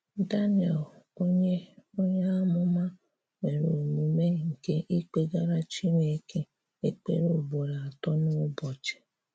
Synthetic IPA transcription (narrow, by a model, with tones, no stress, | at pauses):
da˦ni˨ɛ˨lo˦ɲe˦o˦ɲe˦a˦mʊ˦mã˦ | me˨ɾo˨mu˨me˦˨ŋ̩˨ke˦ʔi˦k͡pe˦ɡa˦ɾa˦t͡ʃi˦ɾe˨˦kʰe˦ | e˦k͡pḛ˦ɾo˦˨bo˨ɾa˨a˨tɔ˦no˦bɔ˨t͡ʃɛ̥˨